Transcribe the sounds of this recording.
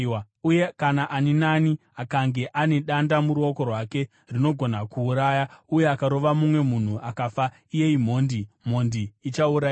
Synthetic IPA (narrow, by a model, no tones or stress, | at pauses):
a | uje̞kanaʔaninani | akaŋɡe̞ʔane̞ɗandamuɾuo̞ko̞rwake̞ | rino̞ɡʱo̞nakʰuːɾajauje̞akaɾo̞ʋamumwe̞mun̤uʔakafa | ije̞im̤o̞ːndim̤o̞ndiːt͡ʃauɾa